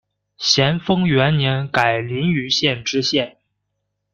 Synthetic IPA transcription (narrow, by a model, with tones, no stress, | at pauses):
ɕjɛ˧˥nfɤ˥ŋɥɛ˧˥nnjɛ˧˥nka˨˩ɪli˧˥ny˧˥ɕjɛ˥˩nʈ͡ʂɻ̩˥ɕjɛ˥˩n